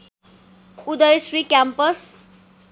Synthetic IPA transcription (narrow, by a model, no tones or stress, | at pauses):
ud̪ʌjsrikjampʌs